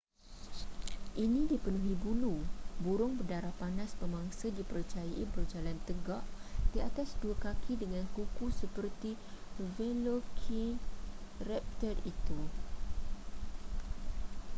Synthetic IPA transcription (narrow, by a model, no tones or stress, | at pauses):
ʔinĩdipənũɦibulubuɾʊŋpədaɾahpanaspəmãŋsədipərt͡ʃajaʔibərd͡ʒalant̪əɡaʔd̥iat̪asduakakʰidəŋãnkukusəpərt̪ivɛlokʰi | rɛp̚t̪ərit̪u